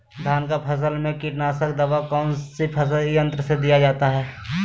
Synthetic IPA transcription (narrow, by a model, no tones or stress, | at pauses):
d̪ʱaːnkapʰɐs̬əlmẽkɪʈnaːsək̚d̪ɐʋakɔːnsipʰɐsjə̃nt̪ɾəsed̪ijad͡ʒaːt̪aɦɛː